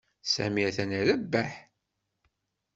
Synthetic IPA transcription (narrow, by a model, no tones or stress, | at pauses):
sæ̰miæθænæɾæbːæħ